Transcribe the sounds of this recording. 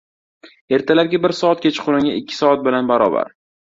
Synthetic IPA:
e̞ɾt̪ʰalap̚ɡʲabɪɾsɒat̪̚kʲʰet͡ʃʰɪ̥qʰʊɾɪŋʲa̰ɪkʲːɪ̥sɒat̪̚bɪlanbaɾɒ̰ba̰ɾ

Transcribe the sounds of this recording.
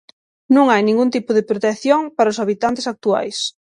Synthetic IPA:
nũŋajnĩŋɡunt̪ipʊðepɾot̪eθjoŋpaɾaʊsaβit̪ant̪esak̚t̪ua̰js

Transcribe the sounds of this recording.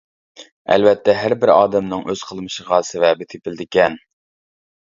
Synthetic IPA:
æ̰lvɛt̪ʰːɛɦæɾbɪɾɑːd̪ɛmnɨŋʔøz̥qʰəlˠmɨʃəʁɑsevɛbɪt̪ʰepɪld̪ɪkʲɛn

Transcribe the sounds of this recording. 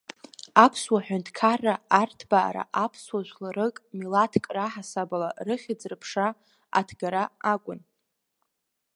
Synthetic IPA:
apʰswaħʷᶣʊntʰkʰarːaartʰba̰ːɾa̰ʔapʰswaʒʷlaɾɨkʼmilatʰkʼraħasabalarɨχʲɪd͡zrɨpʰʂa | a̰tʰɡaɾaakʷʼʊn

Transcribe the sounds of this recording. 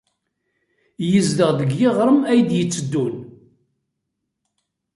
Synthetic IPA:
jəzd̪əʁðəɡjɪʁɾˤəmæjd̪jət͡sːəd̪ːun

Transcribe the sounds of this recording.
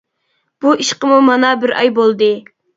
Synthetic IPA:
b̥uiʃqəmumɑnɑbɪɾɑ̰jbolˠd̪ɨ

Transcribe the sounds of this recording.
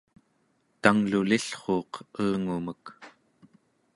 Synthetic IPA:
t̪aŋluliɬχoːqəːŋumək

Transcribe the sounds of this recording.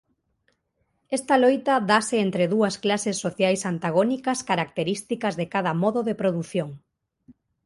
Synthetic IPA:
est̪alojt̪aðasɪent̪ɾeðuɐsklasesːoθjajsant̪aɣ̞onikaskaɾak̚t̪eɾist̪ikazðekaðɐmɔðoðepɾoðuθjoŋ

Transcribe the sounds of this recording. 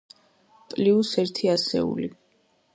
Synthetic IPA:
pʼliusɛɾt̪ʰiasɛ̰ṵli

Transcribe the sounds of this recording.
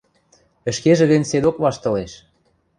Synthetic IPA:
ə̆ʃkeʒĕɣə̆nʲsed̪okβɑʃt̪ɤ̆leʃ

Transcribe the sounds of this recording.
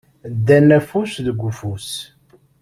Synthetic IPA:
d̪ːænːæfusðəɡʷːufus

